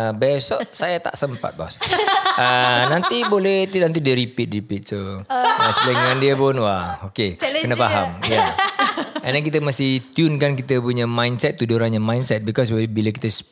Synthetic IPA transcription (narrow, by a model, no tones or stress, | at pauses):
bɛsɔʔsajat̪a̰ʔsəmpa̰t̪̚bɔ̰sʔənant̪ibolɛht̪inant̪̬idiəɾipit̪̚ripit̪̚so | sləŋandiəpʊnwaokeənafaɦamja | ɛ̃ndɛnkit̪əmasɪht̪junkankit̪əpuɲəmãjndsɛt̪ːuduɾanɲamãjnsɛt̪̚bikɔs̬bebiləkit̪əs